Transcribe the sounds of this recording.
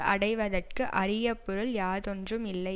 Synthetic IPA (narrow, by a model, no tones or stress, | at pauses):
ʔɐɽɐɪʋɐðɐrkɯʔɐɾɪjɐpːɔɾɯljaːðɔndrɯmɪlːɐɪ